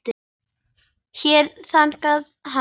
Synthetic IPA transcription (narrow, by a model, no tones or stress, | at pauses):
t̪ɪ | çɛɾθan̥kaðɦa